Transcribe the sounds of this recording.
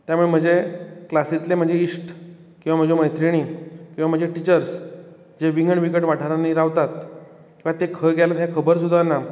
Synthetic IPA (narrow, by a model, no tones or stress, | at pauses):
t̪jamuɭem̤əd͡ʑeklasit̪lem̤əd͡ʑeiʂʈ | kĩw̃ʋam̤əd͡ʑeməjt̪ʰɾiɽ̃ikĩw̃ʋam̤əd͡ʑeʈit͡ɕəɾs | d͡ʑeʋiŋɡəɳʋikəʈʋaʈʰəɾanːiɾaʋt̪at̪ | kĩw̃ʋat̪ekʰəɡɛlat̪ɦjakʰəbəɾs̬ud̪ʱːanːa